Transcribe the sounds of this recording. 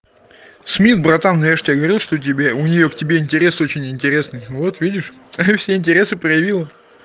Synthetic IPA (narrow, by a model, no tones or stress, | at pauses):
smʲit̪bɾɐt̪amnɐvʲeʂtʲɪjaɡəvɐɾʲilˠʂt̪otʲɪbʲeʊnʲɪjo̞ktʲɪbʲeɪnʲtʲɪɾʲe̞so̞t͡ɕɪnʲɪnʲtʲɪɾʲe̞snɨjvo̞t̪vʲidʲɪʂ | afsʲeɪnʲtʲɪɾʲe̞sɨprəjɪvʲilˠə